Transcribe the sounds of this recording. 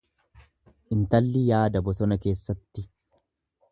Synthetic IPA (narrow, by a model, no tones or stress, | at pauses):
ʔɪnt̪ɐlːɪjaːd̪ɐbɔsɔnɐke̞ːsːɐt̪ːɪ